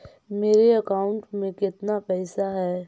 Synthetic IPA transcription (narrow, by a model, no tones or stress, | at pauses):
meːɾeɐkaːʊ̃ɳʈmẽkɪt̪napɛːsaɦɛː